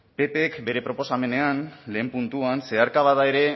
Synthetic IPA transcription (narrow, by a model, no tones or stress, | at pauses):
pe̞pe̞kbe̞ɾe̞pɾo̞po̞same̞ne̞anle̞ːmpunt̪uanse̞aɾkaβaðae̞ɾe̞